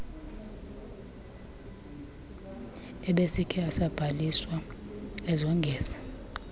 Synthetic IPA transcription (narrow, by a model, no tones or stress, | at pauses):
ɛɓesikʰɛasab̥ʱaliswa | ɛzɔŋɡʱɛːzḁ